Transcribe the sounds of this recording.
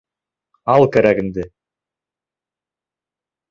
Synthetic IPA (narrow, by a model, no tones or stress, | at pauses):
ɑlˠkʰʲæɾæɡɪ̆nd̪ɪ